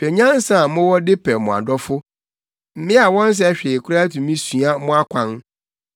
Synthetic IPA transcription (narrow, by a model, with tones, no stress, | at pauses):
pʰɛ˨ɲã˦n˦sa˨˦mʊ̃˦wɔ˦dɪ˦pʰɛ˨mʊ̃˨a̰˨dɔ˦fʊ˦ | m̩˦mɪ̃˦a˨wɔ̃˦n̩˦s̬ɛ˦ɕᶣɪ˨e˨kʰʊ˦ɾa˦tũ˨mĩ˦su˨a˦mʊ̃˦a˦kʷʰã˨n